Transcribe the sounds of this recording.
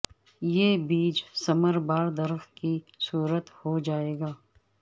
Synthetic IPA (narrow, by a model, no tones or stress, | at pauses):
jeːbiːd͡ʒsɐməɾbaːɾd̪ɐɾxki | suːɾət̪hod͡ʒaːeːɡaː